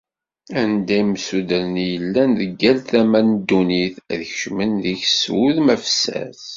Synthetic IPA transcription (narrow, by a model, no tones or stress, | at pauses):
ænd̪æimsud̪əɾnijəlːænðəɡːælθæmænd̪ːuniθðçʃmənðiçswuðmæfsæ̰s